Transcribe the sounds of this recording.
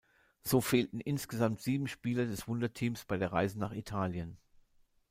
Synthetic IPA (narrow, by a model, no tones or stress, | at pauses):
z̥oːfeːltn̩ʔɪnsɡ̥əzamtz̥iːbm̩ʃpiːlɐdɛsv̥ʊndɐtʰiːmsb̥aɪdeːɐʁaɪzənaːχitʰaːljən